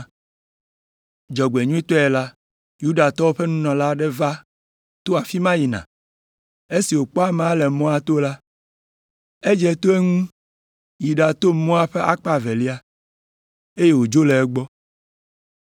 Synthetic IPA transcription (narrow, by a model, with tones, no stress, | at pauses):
d͡ʒɔ˨ɡ͡be˨ɲũ˦i˦t̪ɔ˦ɛ˨la˦ | ju˦ɖa˨t̪ɔ˦o˦ɸe˦nũ˦nɔ̃˨la˦ɖe˦va˦ | t̪o˦a˨fi˦mã˦ji˨nã̰˨ | e˦si˨wo˨k͡pɔ˦a˦mẽ˨a˦lɛ˨mɔ̃˦a˨t̪o˦la˦ | e˦d͡ʒɛ˨˦t̪o˦e˦ŋũ˦ | ji˨ɖa˨t̪o˦mɔ̃˦a˦ɸe˦ʔa˦k͡pa˦ve˨li˦a˦ | e˦je˦wo˨d͡ʒo˦le˨ɛ˦ɡ͡bɔ˦